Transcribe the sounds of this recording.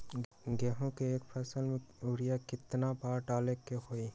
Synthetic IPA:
ɡɛːɦõkeeːkpʰɛːsəlmẽʊɽɪjakɪt̪nabaːɾʈaːlekːeɦoːiː

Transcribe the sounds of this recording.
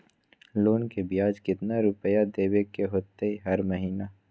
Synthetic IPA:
loːnkebijaːd͡ʒkɪt̪naɾʊpəjad̪eːwekːeɦoːt̪eiɦɐɾmɐɦiːna

